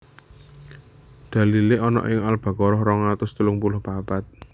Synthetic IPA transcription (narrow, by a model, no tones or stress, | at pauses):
d̪̥a̤lileɔnɔ̰ʔɪŋalb̥ä̤kɔɾɔhɾɔŋat̪ʊst̪əlʊŋpulʊhpapat̪̚